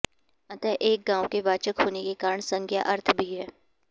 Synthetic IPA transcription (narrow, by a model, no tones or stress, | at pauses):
ɐ̃t̪ɛʔeːk̚ɡãːõkeʋaːt͡ʃəkɦoːnekekaːɾəɳ̃sə̃ŋkʰja̰ʔɐɾt̪ʰbʱiɦɛː